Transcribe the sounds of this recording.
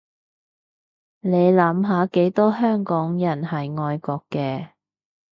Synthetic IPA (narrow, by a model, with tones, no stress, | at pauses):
ne˨˧jlɐ˨˥mɦaː˨˥ke˨˥jt̪ɔː˥ɦœː˥ŋkɔː˨˥ŋjɐ˨˩nhɐ˨jŋɔː˧jkɔː˧kːɛː˧